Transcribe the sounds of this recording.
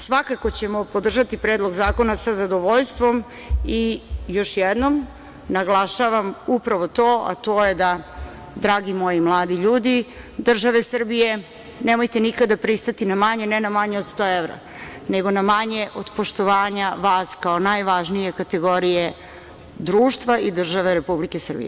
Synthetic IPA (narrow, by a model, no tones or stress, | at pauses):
sʋakakot͡ɕemopod̪r̩ʒat̪ipɾeːd̪lˠo̞ɡzaːko̞nasazad̪oʋoʎst̪ʋo̞m | ijo̞ʃjed̪nom | naɡlˠaʃaʋamupɾaʋot̪oːʔa̰t̪oːjed̪a | d̪ɾaːɡimo̞jimlˠaːd̪iʎuːd̪i | d̪r̩ʒaʋe̞sr̩bije̞ | nemo̞jt̪enikad̪apɾist̪at̪inamaɲenɛnamaɲeod̪st̪oːevɾa̰ | neɡo̞namaɲeʔod̪̥poʃt̪o̞ʋaːɲaʋaːskaonajʋaʒnije̞kat̪e̞ɡo̞ɾije | d̪ɾuːʃt̪ʋaid̪r̩ʒaʋeɾepublikesr̩bḭjḛ